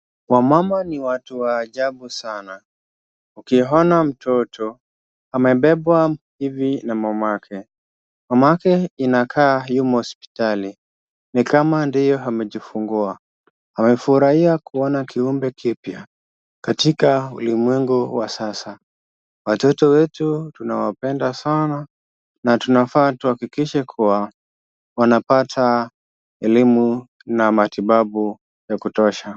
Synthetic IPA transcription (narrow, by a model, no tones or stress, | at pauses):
wamamaniwatuwaːʄaɓusana | ukiɦɔnam̩tʰɔtʰɔ | amɛɓɛɓwahivinamamakʰɛ | mamakɛinakʰaːjumahɔspi̥tali | nikamandijɔɦamɛʄifuŋɡua | amɛfuɾahiakuɔnakiumbɛkipja | katikaṵlimwɛŋɡuwasasa | watɔtɔwɛtutunawapɛndasana | natunafaːtuhakikiʃɛkʰuwa | wanapatʰa | ɛlimu | namatiɓaɓu | jakutɔʃa